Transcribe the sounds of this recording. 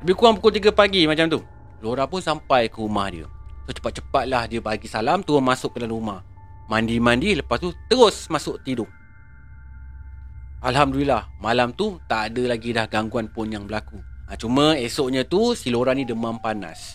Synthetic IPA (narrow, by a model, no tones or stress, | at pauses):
ləbikuaŋpukʊlt̪̬iɡapaɡimat͡ʃamt̪u | loɾapʊnsampajkəɾumahdḭə̰sot͡ʃə̥pat̪̚t͡ʃə̥pat̪̚lahdiəbaɡisalamt̪uənmasʊk̚ɡədalanrumah | mandimãndiləpast̪ut̪əɾʊsmasʊʔt̪idʊʔ | alɦamdulilahmalamt̪ut̪aʔːdəlaɡidahɡaŋɡuanpʊnjaŋbəlakuat͡ʃumə̃esoʔɲə̃t̪usiloɾanĩdəmampana̰s